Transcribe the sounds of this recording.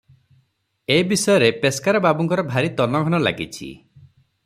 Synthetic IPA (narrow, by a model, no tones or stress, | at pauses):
eibisɔjɔɾepeskaɾɔbabɔŋkɔɾɔbʱaɾit̪ɔnɔɡʱɔnɔla̰ɡḭt͡ʃʰḭ